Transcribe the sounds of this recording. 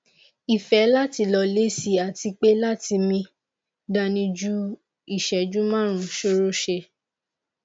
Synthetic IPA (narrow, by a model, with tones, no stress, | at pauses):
i˨fɛ˨˦la˦ti˧lɔ˧le˦si˧a˨ti˧k͡pe˦la˦ti˧mĩ˧ | da˧nĩ˧d͡ʒu˦ | i˦˨ʃɛ˨d͡ʒu˦mã˦˨ɾ̃ũ˨ʃo˧˦ɾo˦ʃe˧